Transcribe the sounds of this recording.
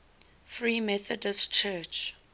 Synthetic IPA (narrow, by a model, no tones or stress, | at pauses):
θɹiːmɛθɔdəst͡ʃʰɛt͡ʃ